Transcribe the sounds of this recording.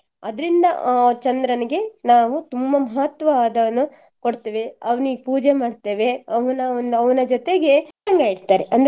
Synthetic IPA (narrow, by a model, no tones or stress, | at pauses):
ɐd̪ɐɾind̪ɐt͡ʃɐnd̪ɾɐniɡe̞naːʋut̪umbɐmɐɦɐt̪ʋɐʋaːd̪ɐʋɐnu | ko̞ɽt̪eːʋe̞ɐʋɐniɡpuːd͡ʒemaːɖt̪eːʋe̞ɐʋɐnɐnd̪uɐʋɐnɐd͡ʒot̪e̞ɡe̞ɐŋɡɐiɽt̪aːɾeʔɐnd̪